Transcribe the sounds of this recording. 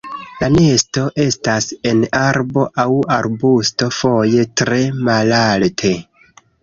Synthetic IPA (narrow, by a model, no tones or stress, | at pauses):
lane̞sto̞ʔe̞stase̞naɾbo̞ʔawaɾbusto̞fo̞je̞tɾe̞malaltʰe